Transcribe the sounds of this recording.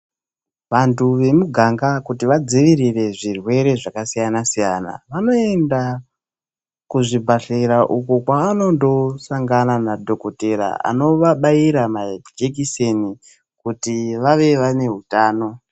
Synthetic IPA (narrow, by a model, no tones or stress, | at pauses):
ʋantʰuʋe̞muɡʱaŋɡakutiʋad͡ziʋiɾire̞ʐirwe̞ɾe̞ʐakasijanasijana̰ʋano̞e̞nda | kuʐibʱaɬeɾaʔukokwaːno̞ndo̞saŋɡananadʱo̞koteɾa̰a̰no̞ʋaɓaiɾamad͡ʒek̬iseni | kutiʋaʋe̞ʋane̞ɦutaːno̞